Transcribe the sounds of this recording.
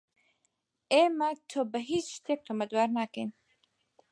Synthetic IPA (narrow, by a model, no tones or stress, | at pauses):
emɐt̪ʰobəɦit͡ʃʃt̪ʰek̚t̪ʰomɐd̪waɾnakḛn